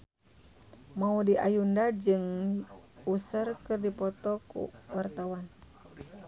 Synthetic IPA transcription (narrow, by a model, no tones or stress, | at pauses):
maudiʔa̰jundad͡ʒɨŋ | usərkɨrdipɔt̪ɔkṵwart̪awan